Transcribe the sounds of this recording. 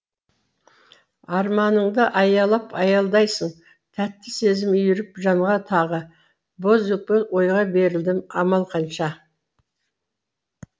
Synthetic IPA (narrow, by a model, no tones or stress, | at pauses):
ɑɾmɑnəɴd̪əʔɑjɑlˠɑpʰɑjɑlˠd̪ɑjsəɴ | t̪ʰæt̪ːɪse̞zɪmʏjɪɾɪpʒɑmʁɑt̪ʰɑʁə | bozupːəwo̞jʁɑbe̞ɾɪld̪ɪmɑmɑlˠqʰɑnʃɑ